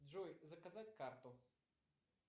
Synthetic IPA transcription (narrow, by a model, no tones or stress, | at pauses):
d̪ʐɔjzɐkɐzatʲkart̪ʊ